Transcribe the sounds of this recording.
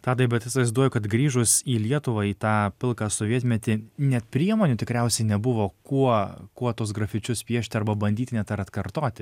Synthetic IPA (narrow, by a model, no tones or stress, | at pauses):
t̪ɑːd̪ɐbʲɛt̪ʲɪsʋɐɪzd̪uɔjʊkɐt̪ɡɾʲiːʒʊsiːlʲiɛt̪ʊʋɑiːt̪ɑːpʲɪlˠkɑːsoːʋʲiɛt̪ʲmʲɛt̪ʲɪnʲɛt̪pʲɾʲiɛmoːnʲʊt̪ʲɪkɾʲɛˑʊsʲɛɪnʲɛbʊʋoːkuɔkuɔt̪uɔs̬ɡɾɐfʲɪt͡ʃʲʊspʲiɛʃʲt̪ʲɪɐɾbɐbɐnʲd̪ʲiːt̪ʲnʲɛt̪ɐɾɐt̪kɐɾt̪oːt̪ʲɪ